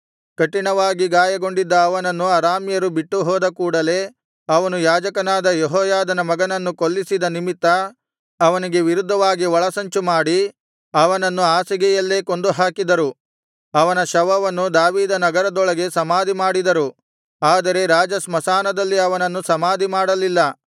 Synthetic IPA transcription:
kɐʈːinɐʋaːɡiɡaːjɐɡo̞ɳɖid̪ːɐːʋɐnɐnːuɐɾaːmjɐɾubiʈːuɦɔːd̪ɐkuːɽɐle̞ː | ɐʋɐnujaːd͡ʒɐkɐnaːd̪ɐjeɦɔːjaːd̪ɐnɐmɐɡɐnɐnːukolːisid̪ɐnimit̪ːɐː | ʋɐniɡe̞ʋiɾud̪ʱːɐʋaːɡiʋɐɭɐsɐɲt͡ʃumaːɽi | ɐʋɐnɐnːuaːsiɡɛjɐlːe̞ːkond̪uɦaːkid̪ɐɾu | ɐʋɐnɐʃɐʋɐʋɐnːud̪aːʋiːd̪ɐnɐɡɐɾɐd̪ɔɭɐɡe̞sɐmaːd̪imaːɽid̪ɐɾu | aːd̪ɐɾe̞ɾaːd͡ʒɐsmɐsaːnɐd̪ɐlːiɐʋɐnɐnːusɐmaːd̪imaːɽɐlilːɐ

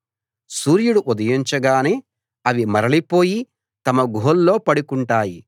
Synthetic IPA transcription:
suːɾjuɽuʔud̪ɐjiɲt͡ʃɐɡaːneː | ɐʋimɐɾɐlipo̞ːji | t̪ɐmɐɡʱoːlːo̞ːpɐɽukuɳʈaːji

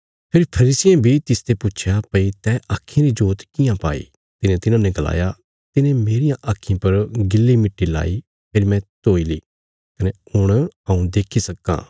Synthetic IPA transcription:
pʰɪɾpʰɐɾiːsɪjẽbʱit̪ɪst̪epʊt͡ʃʰjapɐit̪ɛːʔaːkʰːẽɾid͡ʒoːt̪kɪjãpa̰ːḭ | t̪ɪnẽt̪ɪnãneɡɐla̰ːja | t̪ɪnẽmeːɾɪjãʔaːkʰːĩpɐɾɡɪlːimɪʈːila̰ːi | pʰeːɾimɛ̃t̪oːiliː | kɐneʊɽ̃ɐũd̪eːkʰːisɐkːã̰ː

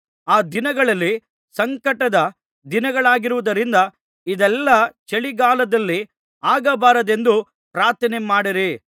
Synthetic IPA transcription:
aːd̪inɐɡɐɭɐlːi | sɐŋkɐʈɐd̪ɐ | d̪inɐɡɐɭaːɡiɾuʋud̪ɐɾind̪ɐ | id̪ɛlːɐt͡ʃeɭiɡaːlɐd̪ɐlːi | aːɡɐbaːɾɐd̪e̞nd̪u | pɾaːɾt̪ʰɐnemaːɽiɾi

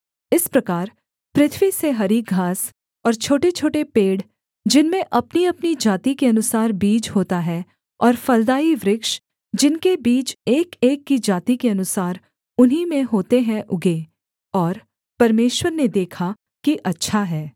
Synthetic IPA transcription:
ɪspɾɐkaːɾ | pɾɪt̪ʰwiseɦɐɾiːk̚ɡʱaːs | ɔːɾt͡ʃʰoːʈet͡ʃʰoːʈepeːɽ | d͡ʒɪnmẽʔɐpniɐpnid͡ʒaːt̪ikeɐnʊsaːɾbiːd͡ʒɦoːt̪aɦɛ | ɔːɾfɐld̪aːiʋɾɪkʃ | d͡ʒɪnkebiːt͡ʃeːkeːkːid͡ʒaːt̪ikeɐnʊsaːɾ | ʊnɦimẽɦoːt̪eɦɛ̃ʔʊɡe | ɔːɾ | pɐɾmeːʃwəɾned̪eːkʰa | kiʔɐtːʃʰaɦɛː

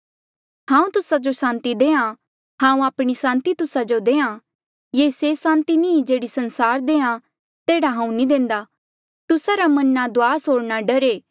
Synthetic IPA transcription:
ɦãːũt̪ʊsad͡ʒosãːnt̪id̪ẽːã | ɦãːũaːpɽ̃isãːnt̪it̪ʊsad͡ʒod̪eːã | jesesãːnt̪inĩːd͡ʒeːɽisɐnsaːɾd̪ẽːã | t̪eːɽaɦãːũnĩd̪ẽːnd̪a | t̪ʊsaɾamɐnːad̪oaːsoːɽnaɖɐɾeː

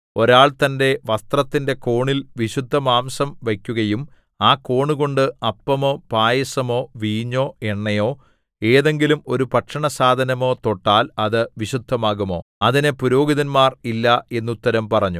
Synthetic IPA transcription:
o̞ɾaːɭt̪ɐnde̞ʋɐst̪rɐt̪ːinde̞ko̞ːɳilʋiɕud̪ʱːɐmaːmsɐmʋɐkʲːuɣɐjum | aːko̞ːɳuɣo̞ɳɖɨɐpːɐmo̞ːpaːjɐsɐmo̞ːʋiːɲːo̞ːe̞ɳːɐjo̞ː | e̞ːðe̞ŋɡilumo̞ɾupɐʈʂɐɳɐsaːd̪ʱɐnɐmo̞ːt̪o̞ʈːaːlɐðɨʋiɕud̪ʱːɐmaːɣumo̞ːɐðinepuɾo̞ːɡiðɐnmaːrilːɐe̞nːut̪ːɐɾɐmpɐrɐɲːu

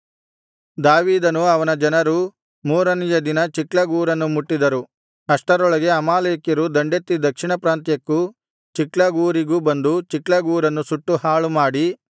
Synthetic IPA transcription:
d̪aːʋiːd̪ɐnuɐʋɐnɐd͡ʒɐnɐɾu | muːɾɐnijɐd̪inɐt͡ʃikɭɐɡuːɾɐnːumuʈːid̪ɐɾu | ɐʂʈɐɾɔɭɐɡe̞ɐmaːleːkjɐɾud̪ɐɳɖet̪ːid̪ɐkʂiɳɐpɾaːnt̪jɐkːu | t͡ʃiklɐɡuːɾiɡubɐnd̪ut͡ʃiklɐɡuːɾɐnːusuʈːuhaːɭumaːɽi

